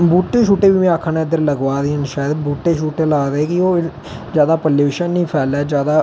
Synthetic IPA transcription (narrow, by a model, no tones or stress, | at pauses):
buːʈːeːʃuːʈeːʋiːmɛ̃ːakʰːanːd̪əɾləɡʋaːd̪iːənʃaːjəd̪buːʈːeːʃuːʈeːlaːd̪eːkɪoː | zjaːd̪aːpəlːeːʋɪʃənːĩːpʰɛːlɛːd͡ʒjaːd̪aː